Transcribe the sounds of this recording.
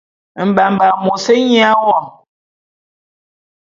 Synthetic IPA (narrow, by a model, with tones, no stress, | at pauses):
m̩˨ba˨m̩˨ba˨mo˨se˦ɲi˦a˦wɔ˦˨